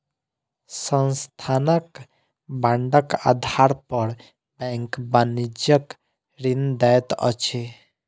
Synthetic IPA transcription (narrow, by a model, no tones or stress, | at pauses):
sənst̪ʰanək | bãɳɖəka̰d̪ʱaɾpəɾ | bɛ̃ŋkbanid͡ʒjək | ɾind̪ɛjt̪ʌ̰t͡ʃʰe